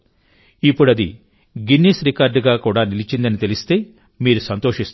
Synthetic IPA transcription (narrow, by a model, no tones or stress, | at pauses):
ipːuɽɐd̪i | ɡinːisɾikaːɾɖɡaːkuːɽaːnilit͡ʃind̪ɐnit̪e̞list̪e̞ː | miːɾusɐnt̪o̞ːʂist̪